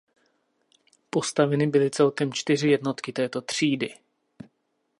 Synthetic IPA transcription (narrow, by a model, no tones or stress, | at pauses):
po̞st̪avɛnɪbɪlɪt͡sɛlkɛmt͡ʃt̪ɪr̝ɪjɛdno̞t̪kɪt̪ɛːt̪o̞t̪r̝̥iːdɪ